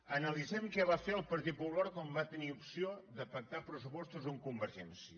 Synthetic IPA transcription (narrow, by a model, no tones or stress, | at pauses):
ənəlizɛmkɛβafeɾəlˠpəɾt̪it̪̚puβlɔɾkɔmbat̪əniupsioðəpək̚t̪apɾəsupɔst̪uzuŋkumbəɾʒɛnsiə